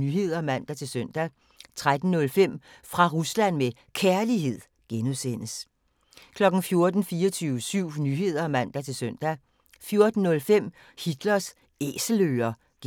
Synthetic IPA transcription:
nyɦe̝ð̰ˠɐmæn̰d̥æt͡sʰe̝lsøn̰d̥æ | t͡sʰʁad̥n̩nɔ̽lfem̰ | fʁɑ̈ʁuslæn̰me | kʰæɐliɦe̝ð̰ˠ | ɡ̥enusen̰əs | kʰlɒ̽ɡ̥n̩fjo̝ɐd̥n̩fiːɒt͡sʰyːʊəsyʊ̰nyɦe̝ð̞̰ˠɐmæn̰d̥æt͡sʰe̝lsœn̰d̥æ | fjo̝ɐd̥n̩ːɔ̽lfem̰ | hid̥lɐs | ḛːsəl̩øːɐ | ɡ̥

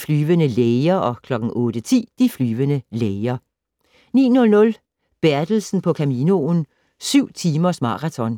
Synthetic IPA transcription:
flyːʋənəleɪɐʔɒ̽kʰlɒ̽ɡ̥n̩ʔɔ̽ːd̥ət͡sʰḭːd̥iflyːʋənəleɪɐ | nḭːnɔ̽lnɔ̽l | b̥æɐd̥l̩sn̩pʰɒ̽kʰæmiːno̝n | syʊ̰t͡sʰiːmɐsmɑ̈ʁɑt͡sʰɒ̽n

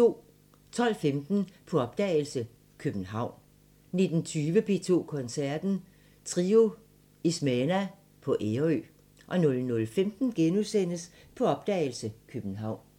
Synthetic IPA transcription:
t͡sʰo̝̰ː | t͡sʰɒ̽l̰femd̥n̩pʰɒ̽ɒ̽b̥̚d̥ɛɪl̩sə | kʰøb̥n̩ɦɑ̈ʊ̰n | ne̝d̥n̩t͡sʰyːʋəpʰe̝̰ːt͡sʰo̝̰ːkʰɒ̽nsæɐd̥n̩ | t͡sʰʁio̝ | ismenæ | pʰɒ̽ʔeɐø̰ | ʔɒ̽nɔ̽lnɔ̽lfemd̥n̩ɡ̥enusen̰əspʰɒ̽ɒ̽b̥d̥ɛ̰ːɪl̩səkʰøb̥n̩ɦɑ̈ʊ̰n

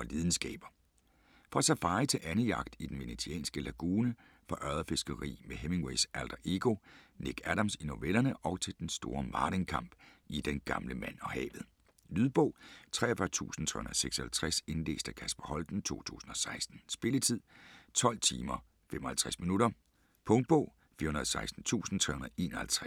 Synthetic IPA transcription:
ɒ̽lið̞ˠn̩sɡ̥ɛ̰ːb̥ɐ | fɒ̽æsæfɑ̈ːɪt͡sʰe̝lʔænəjɑ̈ɡ̥d̥id̥enʋe̝net͡sʰiɛ̰ːnsɡ̥əlæɡ̥uːnə | fɒ̽ʔɶðˠɐfe̝sɡ̥ɐʁḭːmeɦeme̝ŋweɪsæld̥ɐʔe̝ɡ̥o̝ne̝ɡ̥æɾɑ̈msino̝ʋelɐnəʔɒ̽ʊt͡sʰe̝ld̥ensd̥o̝ːɐmɑ̈ːɾeŋkʰɑ̈m̰b̥id̥enɡ̥ɑ̈mləmæn̰ɒ̽hɛ̰ːʋð̩ˠ | lyðˠb̥ɔ̽ʊ̰t͡sʰʁɛ̰ːɐfɶɐt͡sʰṵːsn̩t͡sʰʁɛ̰hun̩ðˠseɡ̥sɒhælt͡sʰʁase̝nle̝̰ːsd̥ækʰæsb̥ɐhɒ̽ld̥n̩t͡sʰo̝̰ːt͡sʰṵːsn̩ɒ̽sɑ̈ɪsd̥n̩sb̥e̝lət͡sʰið̰ˠt͡sʰɒ̽l̰t͡sʰḭːmɐ | fem̰ɒ̽hælt͡sʰʁɛsminuɾɐ | pʰɔ̽ŋd̥̚b̥ɔʊ̰ | fḭɐhunɐð̩ˠsɑ̈ɪsd̥n̩t͡sʰṵːsn̩t͡sʰʁɛ̰hunɐðˠʔe̝ːnɐhælt͡sʰʁɛ

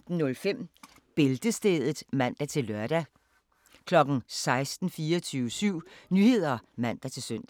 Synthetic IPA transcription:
d̥n̩nɔ̽lfem̰ | b̥e̝ld̥əsd̥eːð̞ˠð̩ˠmæn̰d̥æt͡sʰe̝lːœɐ̰d̥æ | kʰlɒ̽ɡ̥n̩sɑ̈ɪsd̥n̩fiːɒt͡sʰyːʊəsyʊ̰nyhe̝ð̞̰ˠɐmæn̰d̥æt͡sʰe̝lsøn̰d̥æ

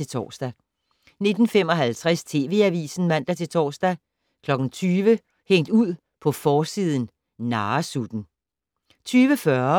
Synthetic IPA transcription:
e̝t͡sʰɒ̰ːsd̥æ | ne̝d̥n̩fem̰ɒ̽ɦælt͡sʰʁast͡sʰe̝ːʋe̝̰ːæʋḭːsn̩mæn̰d̥æt͡sʰe̝lt͡sʰɒ̰ːsd̥æ | kʰlɒ̽ɡ̥n̩t͡sʰyːʋə | heŋ̰d̥uð̰ˠ | pʰɒ̽fɒːsiːð̞ˠn̩ | nɑːsud̥n̩ | t͡sʰyːʋəfɶɐ

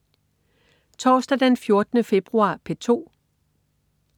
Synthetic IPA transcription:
t͡sʰɒːsd̥æd̥enfjo̝ɐd̥ənəfe̝b̥ʁuɑ̰̈ːpʰe̝t͡sʰo̝̰ː

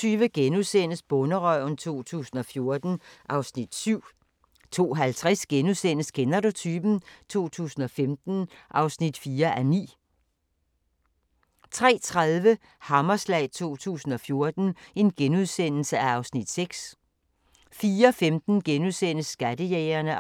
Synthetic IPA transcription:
yːʋəɡ̥enuðˠsen̰əsb̥ɔ̽nəʁœʊ̰nt͡sʰo̝̰ːt͡sʰṵːsn̩ɒ̽fjo̝ɐd̥n̩ʔɑ̈ʊsnid̥syʊ̰ | t͡sʰo̝̰ːɦælt͡sʰʁɛsɡ̥enuðˠsen̰əskʰenɐdo̝t͡sʰyːb̥n̩t͡sʰo̝̰ːt͡sʰṵːsn̩ɒ̽femd̥n̩ʔɑ̈ʊsnid̥fiːɐʔænḭː | t͡sʰʁɛ̰ːt͡sʰʁaðˠʋə | hɑ̈mɐslɛ̰ɪt͡sʰo̝̰ːt͡sʰṵːsn̩ɒ̽fjo̝ɐd̥n̩e̝nɡ̥enuðˠsen̰l̩səæɑ̈ʊsnid̥seɡ̥s | fiːɐfemd̥n̩ɡ̥enuðˠsen̰əsːɡ̥æd̥əjeːɪɐnə

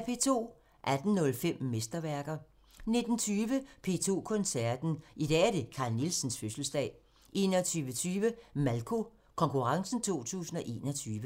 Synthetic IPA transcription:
pʰe̝̰ːt͡sʰo̝̰ː | ʔæd̥n̩nɔ̽lfem̰mːesd̥ɐʋæɐɡ̥ɐ | ne̝d̥n̩t͡sʰyːʋəpʰe̝̰ːt͡sʰo̝̰ːkʰɔ̽nsæɐd̥n̩ʔid̥ɛ̰ːæɐd̥e̝kʰɑ̈ːlnilsn̩sføsl̩sd̥ɛ̰ː | ʔe̝ːnɒt͡sʰyːʋət͡sʰyːʋəmælkʰo̝ | kʰɒ̽ŋkʰuʁɑ̈ŋsn̩t͡sʰo̝̰ːt͡sʰṵːsn̩ɒ̽ʔe̝̰ːnɒ̽t͡sʰyːʋə

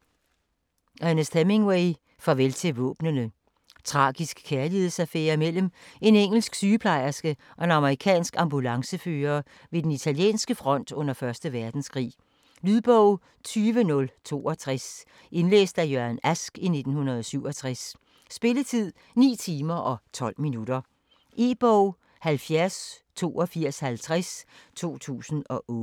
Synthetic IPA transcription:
ʔænəsd̥emeŋweɪ | fɒʋelt͡sʰeʋɔ̰̽ːb̥nənə | t͡sʰʁɑ̈ːɡ̥isɡ̥kʰːæɐlihe̝ð̩̰ˠsæfḛːɐimel̰me̝neŋ̰l̩sɡ̥syːəpʰlɑ̈ɪ̰ɐsɡ̥əʔɒ̽enɑ̈məʁikʰɛ̰ːnsɡ̥ɑ̈mbulɑ̈ŋsəføːɐː | ʋe̝d̥enit͡sʰæljḛːnsɡ̥əfʁɒ̽n̰d̥ɔ̽n̰ɐfɶɐsd̥əʋæɐd̥n̩skʰʁḭː | lyðˠb̥ɔʊ̰ | t͡sʰyːʋənɔ̽lt͡sʰo̝̰ːɒt͡sʰʁɛs | ʔe̝nlḛːsd̥æjøɐnæsɡ̥ine̝d̥n̩hunɐð̞ˠɒ̽syʊ̰ɒ̽t͡sʰʁasː | b̥e̝lət͡sʰið̰ˠ | nḭːt͡sʰiːmɐʔɒ̽t͡sʰɒ̽l̰minuɾ̥ɐ | ʔe̝ːb̥ɒʊ | hælfjæɐst͡sʰo̝̰ːʔɒfiɐ̰shælt͡sʰʁast͡sʰo̝̰ːt͡sʰṵːsn̩ɒ̽ʔɔː

